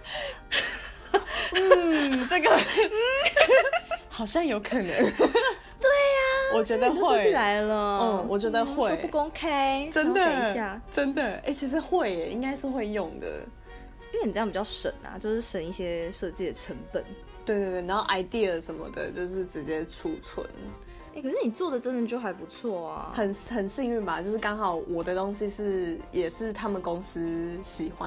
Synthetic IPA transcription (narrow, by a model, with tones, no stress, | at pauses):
n̩˥˩ʈ͡ʂə˥˩ɡə˨n̩˥˨ | xɑ˨˩ʊɕjɑ˥˩ŋjo˧˥ʊkʰɤ˨˩nə̰˧˦ŋ | t̪we˥˩ɪa˩wɔ˨t͡ɕɥɛ˧˥d̪ə˧˥xwe˥˧˥ɪt͡ɕi˥˩la˧˦ɪlə˨˥wɔ˨˩t͡ɕɥɛ˧˥d̪ə˧xwe˥˩o˥ɪpu˥˩ko˦ŋkʰa˥ɪʈ͡ʂə˦˥nd̪ə˨˧ɕja˥˩ʈ͡ʂə˦nd̪ə˨e˥˩ɪt͡ɕʰi˧˥ʂ̬ɻ̩˧˥xwe˥˩ɪ˨˩i˥ŋka˥ɪʂɻ̩˥˧xwe˥˧ɪjʊ˥˩ŋd̪ə̰˩ | i˥we˥˩n˨˩˥jpi˩t͡ɕɑ˥˩ʊʂə̰˨˩˦nɐ̰˨˩t͡ɕjo˥˧ʊʂɻ̩˥˩ʂə˧˥ni˥˩ɕjɛ˥ʂɤ˥˧t͡ɕi˥˩d̪ə˩ʈ͡ʂʰə˧˥ŋpə˨˩˦n | t̪we˥˧ɪt̪we˥˧twe˥˩na˧˦xo˥˩ʔa˨˩ɪt̪i˥ʂə˧˦nmə̰˧d̪ə̰˨t͡ɕjo˥˧ʊʂɻ̩˥˩ʈ͡ʂɻ̩˧˥t͡ɕjɛ˦t͡sʰu˨˥˩t͡sʰwə̰˧˦n | e˥˩kʰɤ˩ʂɻ̩˥˩ni˨˩t͡swɔ˥˩d̪ə˩ʈ͡ʂə˦˥nd̪ə˨t͡ɕjo˥˩ʊxa˧˥ɪpu˧˦t͡sʰwɔ˥˩ɐ̰˩hə˨˩nxə˨˩nɕi˥˧ŋy˥˩ba˨˩t͡ɕjo˥˧ʊʂɻ̩˥˩kɑ˥ŋxɑ˨˩ʊwʔɔ˨˩d̪ə˦t̪o˥ŋɕi˥ʂɻ̩˥˩jɛ˨˩ʂɻ̩˥˩t̪ʰa˥mə˨nkʊ˥ŋsɹ̩˥ɕi˨˩xwa̰˦